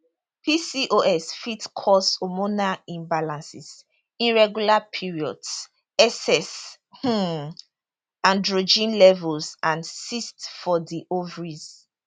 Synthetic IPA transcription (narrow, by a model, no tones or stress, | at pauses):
pʰisiʔoʔɛsfitkʰɔsomonaĩmbalãnsis | ĩnɹɛɡjulapʰiɹiɔ̰ds | ɛsɛs | h̩ | ãndɹod͡ʒĩnlɛvulsãnsistfɔdiʔovɹiz